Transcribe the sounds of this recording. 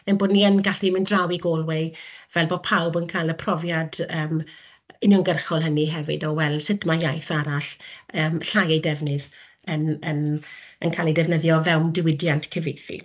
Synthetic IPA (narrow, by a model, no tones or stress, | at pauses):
ənboːdniənɡaɬimɪndrawiɡɔlˠwɪvɛlˠboːpʰawbənkʰajləpʰrɔvjadəːm | ɪnjɔŋɡərχɔlˠɦəniɦɛvɨ̰dɔwɛlˠsɪtmajajθaɾaɬəːmɬajejdɛvnɨð | ənənənkʰalˠedɛvnəðjɔvɛwmdɪwɪdjantʰkʰəvejθḭ